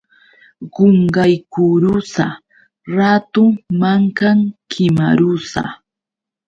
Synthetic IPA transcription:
ɢoɴɢajkʊɾʊsa | ɾat̪ʊŋmaŋkaŋkʰɪma̰ɾʊsa̰

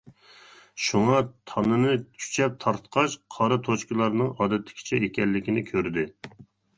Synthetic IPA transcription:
ʃuŋɑt̪ʰɑnɨnɨt͡ʃʲʰy̥t͡ʃʰɛp̚t̪ʰɑɾt̪qʰɑʃqʰɑɾɨt̪ʰot͡ʃkʲɪlˠɑɾnɨŋɑːd̪ɛt̪ʰːɪ̥kʲʰi̥t͡ʃʰɛekʲɛlːɪkʲinɪkʲʰøɾd̪ɪ

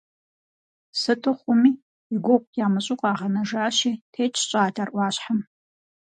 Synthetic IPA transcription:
sɨtʰɨχʷʊmiː | iɡʷɔqʷʼjaːmɨɕʼʊqʼaːʁɐnɐʒaːʃiːtʰeːt͡ʃʰʼt͡ʃʼaːdʰarʔʷɑːɕħam

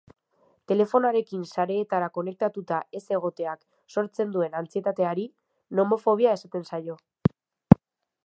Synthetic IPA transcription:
t̪e̞le̞fo̞naɾe̞kinsaɾe̞ːt̪aɾako̞ne̞k̚t̪at̪ut̪aʔe̞se̞ɣ̞o̞t̪e̞ak | so̞ɾt͡se̞nd̪ue̞nant͡sie̞t̪at̪e̞aɾi | no̞mo̞fo̞β̞iae̞sat̪e̞nsajo̞

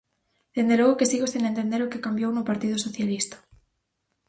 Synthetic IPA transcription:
d̪̥end̪eloɣokesiɣosinẽnt̪end̪eɾʊkekambjownʊpaɾt̪ið̞ʊsoθjalist̪ḁ

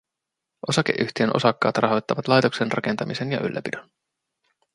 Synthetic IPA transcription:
ʔo̞sɑkeʔyçt̪ienʔo̞̰sɑkːɑ̰ːt̪rɑɦo̞jt̪ːɑʋɑt̪lɑjt̪o̞ksenrɑke̞nt̪ɑmise̞njɑ̰ʔy̰lːæpidøn

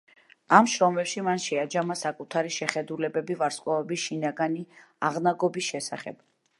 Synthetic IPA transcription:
amʃɾɔmɛpʃimanʃɛad͡ʒamasakʼut̪ʰaɾiʃɛχɛd̪ulɛbɛbivaɾskʼwavɛbisʃinaɡani | aʁnaɡɔbisʃɛsa̰χɛ̰b̥

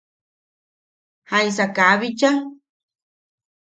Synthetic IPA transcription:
haj̃sakaβit͡ʃa

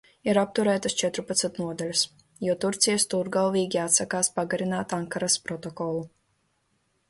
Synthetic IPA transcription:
iɾap̚t̪uɾɛːt̪ast͡ʃɛt̪ɾupat̪sat̪nuɔd̪alʲus | juɔt̪uɾt̪sijast̪uɾɡalˠviːɡʲiat̪sakaːspaɡaɾinaːt̪aŋkaɾaspɾɔt̪ɔkɔlˠu

